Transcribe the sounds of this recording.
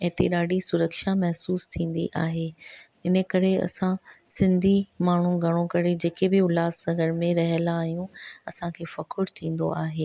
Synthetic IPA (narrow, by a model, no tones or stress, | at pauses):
ɛ̃t̪eɗaːɖʱisʊɾəkʃamɛɦsuːst̪ʰĩːn̆d̪ḭʔa̰ːɦeː | ɪnə̆kɐɾeɐ̰sãsɪ̃nd̪ʱimaːɳ̤ũɡʱɐɽ̤̃okɐɾed͡ʑeːkebɪʊlaːsɐ̃ɡəɽmẽɾɐɦəlaːɦijũɐsãkʰeːfɐkʰʊɽt̪ʰĩːn̆d̪o̰aːɦeː